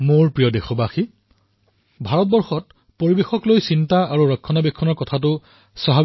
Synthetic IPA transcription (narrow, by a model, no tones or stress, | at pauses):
moɹpɹijɔdexɔbaxi | bʱaɹɔt̚bɔɹxɔt̚ | poɹibexɔklojsintaaɹuɹɔkʰːɔnabɛkʰːɔnɔɹkɔtʰatʊ | sɔɦa